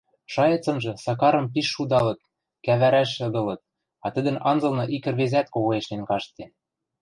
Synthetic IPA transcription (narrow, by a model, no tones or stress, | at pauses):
ʃɑjɤ̆t͡sɤ̆mʒɤ̆sɑkɑɾɤ̆mp̬iʃːud̪ɑlɤ̆t̪̚ | kæβæɾæʃɤ̆d̪ɤ̆lɤ̆t̪̚ | ɑt̪ə̆d̪ə̆nɑnd͡zɤ̆lˠnɤ̆ʔikɘ̆rβezæt̪koɣoeʃnlenkɑʃt̪en